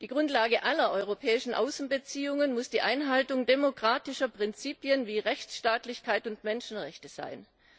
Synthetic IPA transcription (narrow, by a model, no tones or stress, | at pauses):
d̥iːɡ̥ʁʊntlaːɡəʔalɐʔɔʏʁopʰɛːɪʃn̩ʔa̰ʊsn̩bət͡siːʊŋənmʊsd̥iːʔaɪnɦaltʊŋdemokʁ̥aːtɪʃɐpʁ̥ɪnt͡siːpjənviːʁɛçt͡sʃtaːtlɪçkʰaɪtʊntmɛnʃn̩ʁɛçtəz̥a̰ɪn